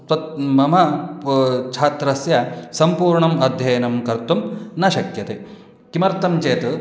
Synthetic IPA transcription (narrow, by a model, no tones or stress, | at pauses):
t̪ɐt̪mɐmɐ | t͡ʃʰaːt̪ɾɐsjɐsɐmpuːɾɳɐmɐd̪ʱjɐjɐnɐmkɐɾt̪umnɐʃɐkjɐt̪e | kimɐɾt̪ɐmt͡ʃeːt̪